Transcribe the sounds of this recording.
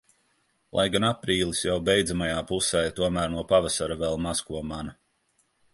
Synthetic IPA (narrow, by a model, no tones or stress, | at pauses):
lˠʔa̰jɡanapɾiːlˠisjawbɛjd̪zamajaːpusɛːjt̪uɔmæːɾnuɔpavasaɾavɛlˠmaskuɔmana